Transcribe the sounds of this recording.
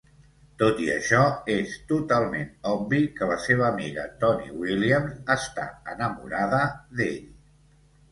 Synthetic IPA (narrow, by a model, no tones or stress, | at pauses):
t̪ot̪iə̰ʃɔest̪ut̪alˠmenɔbikələseβ̞əːmiɣə̰t̪ɔnḭwiliəmzəst̪a̰ənəmṵɾaðəðeʎ